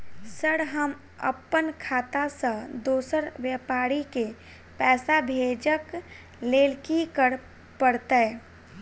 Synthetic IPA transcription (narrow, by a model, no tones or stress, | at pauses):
səɽɦəm | ə̰pːənkʰaːt̪asə̃d̪oːsəɾʋjɛpaːɾike | pɛːsabʱeːd͡ʒək | leːlkikəɾ | pəɽt̪e